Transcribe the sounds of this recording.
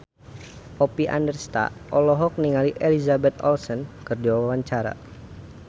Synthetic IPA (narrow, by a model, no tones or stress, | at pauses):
ʔɔpiʔa̰ndərst̪a̰ʔʔɔlɔɦɔk̚niŋaliʔelizabɛt̪ɔ̰lsənkərdiwaawaɲt͡ʃaɾa̰